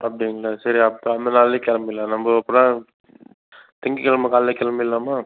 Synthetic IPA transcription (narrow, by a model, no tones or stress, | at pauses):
ɐpːɐɽɪŋɡɐɭasɐɾiɐpɐnd̪ɐnaːllekɛlɐmbɪlːaːnɐmbɐɐpːɯɽã | t̪ɪŋɡɯkɛlɐmɐkaːllekːɛlɐmɐɪlːaːmaː